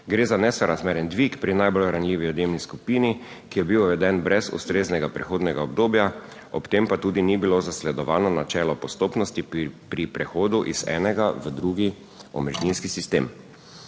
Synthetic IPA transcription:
ɡɾeːzanɛsɔɾazmeːɾjɛnd̪ʋikpɾinajbolɾanliːʋiɔd̪emniskupiːni | kijɛbiwʋɛd̪ɛnbɾɛzṵst̪ɾeːznɛɡapɾɛxoːd̪nɛɡaɔb̚d̪oːbja | ɔpt̪empat̪uːd̪inibilozaslɛd̪ɔʋaːnɔnat͡ʃɛːlɔpɔst̪oːpnɔst̪ipɾipɾɛxoːd̪uʔiz̥ɛ̰ːnɛɡaʋəd̪ɾuɡi | ɔ̰mɛʒninskisist̪ḛːm

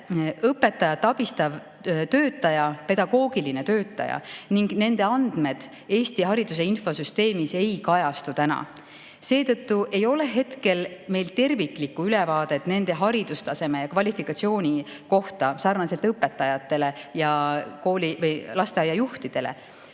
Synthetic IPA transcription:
ɤpːˑe̞t̪ːˑɑjɑt̪ːˑɑb̥ist̪ɑv | t̪øːt̪ːˑɑjɑpe̞d̪̥ɑɡ̥o̞ːɡ̥iline̞t̪ø̞ːt̪ːˑɑ̰jɑ̰niŋɡ̥ne̞nd̪̥e̞ɑnd̪̥me̞d̪̥ | e̞ːst̪iɦɑɾid̪̥us̬e̞info̞syst̪e̞ːmise̞jkɑjɑst̪ut̪ænɑ̰ | se̞ːt̪ɤt̪ːuʔe̞jo̞le̞ɦe̞t̪ke̞lme̞jlt̪e̞rviklikːuylɛvɑːd̪̥e̞t̪ːne̞nd̪̥e̞ɦɑɾid̪̥ust̪ɑse̞mejɑkvɑlʲifikːɑt̪sio̞ːnʲiko̞ht̪ɑsɑrnɑselt̪ɤpːˑe̞t̪ːˑɑjɑt̪ːˑe̞le̞jɑko̞ːlivɤjlɑst̪eɑjɑjuht̪id̪̥e̞lḛ

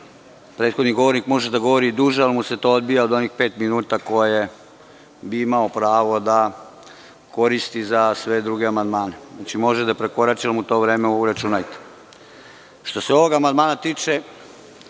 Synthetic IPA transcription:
pɾeːt̪xo̞d̪niɡo̞ʋo̞ɾnikmo̞ʒed̪aɡo̞ʋo̞ɾiːd̪uːʒealmuse̞t̪o̞od̪bijaod̪o̞nixpe̞ːt̪minuːt̪ako̞e | biimaopɾaːʋo̞d̪a | ko̞ɾist̪izasʋe̞d̪ɾuɡeamand̪maːnenat͡ʃimo̞ʒed̪apɾe̞ko̞ɾat͡ʃilmut̪o̞ːʋɾeːmeuuɾat͡ʃunajt̪e̥ | ʃt̪o̞seo̞ʋo̞ɡamand̪maːnat̪iːt͡ʃe

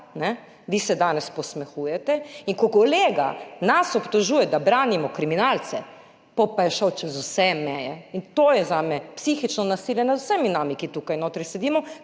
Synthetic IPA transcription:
nɛ | ʋisɛd̪aːnɛspɔsmɛxujɛt̪ɛiŋkɔkoleːɡa̰nasɔpt̪oʒuːjɛd̪abɾaːnimɔkɾiminalt̪sɛ | pɔpajɛʃɔwt͡ʃɛzusɛmɛːjɛint̪oːjɛzamɛpsixit͡ʃnɔnasiljɛnazusɛminaːmikit̪uːkajnoːt̪ɾɛjsɛd̪iːmɔ

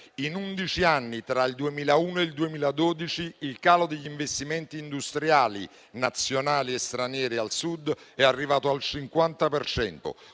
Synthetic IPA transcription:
inund̪it͡ʃianːit̪ɾaild̪uemiːlauːnoeld̪uemiːlad̪oːd̪it͡ʃiːlkaːlod̪eʎːiɱvest̪imɛnt̪iːnd̪ust̪ɾjaːlḭ | nat̪sːjonaːliest̪ɾanjɛːɾialsud̪ɛarːivaːt̪oalt͡ʃiŋkwant̪apert͡ʃɛ̰nt̪o̰

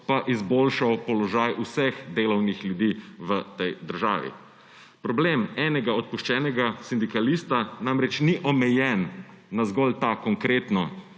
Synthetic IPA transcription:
paʔizboːlʃawpɔlɔʒajusɛxd̪eːlɔwnixljud̪iːʋət̪ɛjd̪əɾʒa̰ːʋḭ | pɾɔbleːmɛːnɛɡaɔt̪̚puʃt͡ʃɛːnɛɡasind̪ikaliːst̪anamɾɛt͡ʃniʔɔmɛjɛnː | azɡɔlt̪akɔŋkɾeːt̪nɔ

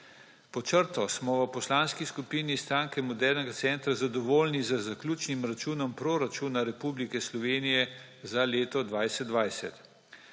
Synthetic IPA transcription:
pɔt͡ʃəɾt̪ɔsmɔʋəpɔslanskiskupiːnist̪ɾaːŋkɛmɔd̪ɛɾnɛɡat̪sɛnt̪ɾazad̪ɔʋoːlnizəzaklʲuːt͡ʃnimɾat͡ʃuːnɔmpɾoɾat͡ʃuːnaɾɛpublikɛslɔʋeːnijɛ | zaleːt̪ɔd̪ʋajsɛt̪̚d̪ʋajsɛt̪

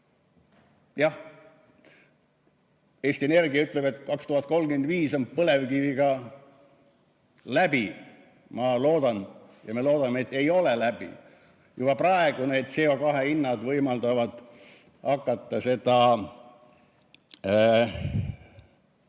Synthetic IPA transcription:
jɑh | e̞ːsʲt̪ie̞ne̞rɡ̥iɑyt̪ˑle̞be̞t̪ːˑkɑkst̪uhɑt̪̚ko̞lːɡymend̪viːsonpɤle̞vkiviɡɑ | læb̥i | mɑlo̞ːd̪̥ɑn | jɑme̞lo̞ːd̪̥ɑmːeet̪ːˑe̞jo̞le̞læbḭ | jub̥ɑprɑe̞ɡ̥une̞ːd̪̥seo̞kɑɦeinːɑd̪vɤjmɑld̪ɑvɑd̪̥ | hɑkːɑt̪ːɑse̞d̪̥ɑ

